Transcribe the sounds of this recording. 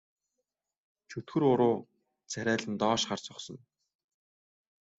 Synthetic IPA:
t͡ɕʰɵt̪xɵ̆ɾʊɾʊː | t͡sʰæɾʲæːɮɘ̆nt̪ɔːʃχart͡sʊχsɞ̆n

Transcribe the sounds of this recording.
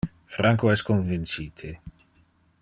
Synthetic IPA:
fɾaŋkoɛskonvint͡ʃiːt̪ʰe

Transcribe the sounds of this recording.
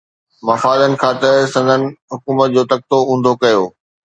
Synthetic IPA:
mɐfaːd̪ənɪ̆kʰãːt̪ɐɾsɐ̃nd̪ʱənɪ̆ɦʊkuːmət̪̚d͡ʑoːt̪ɐk̚t̪oũːnd̪ʱokɐjoː

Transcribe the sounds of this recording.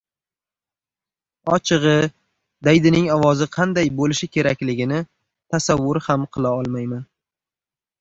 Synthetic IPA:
ɒt͡ʃʰɨʁɨ | d̪ajd̪ɪnɪŋɒvɒzɪqʰɑnd̪ajbolɪʃɪkʲʰe̞ɾakʲlɪɡʲɪnɪ | t̪ʰasavːʊɾhamqʰɨlˠaɒlˠmajman

